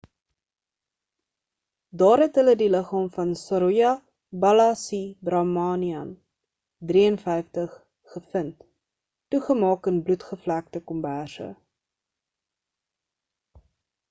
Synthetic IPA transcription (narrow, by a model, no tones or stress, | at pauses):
dɑːrɦɛtɦələdiləχɑːmfɐnsɑɾujɐ | bɐlɑsibrɑmɑːniɐn | driənfɛjftəχ | χəfənt | tuχəmɑːkənblutχəflæk̚təkɔmbærsə̰